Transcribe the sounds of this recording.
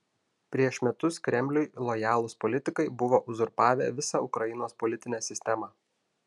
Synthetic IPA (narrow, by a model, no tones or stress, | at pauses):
pʲɾʲiɛʃʲmʲɛt̪ʊskɾʲɛmʲlʲʊjlˠɔjæːlˠʊspɔlʲɪt̪ʲɪkɐɪbʊʋoʔʊzʊɾpɑːʋʲḛːʋʲɪsɑʊkɾɐjɪnoːspɔlʲɪt̪ʲɪnʲæːsʲɪsʲt̪ʲɛmɑ